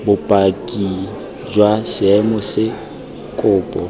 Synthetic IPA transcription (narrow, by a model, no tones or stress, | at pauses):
bʊpʼakʼi | d͡ʒwasɪɛmɔsɪ | kʼʊːpʼɔ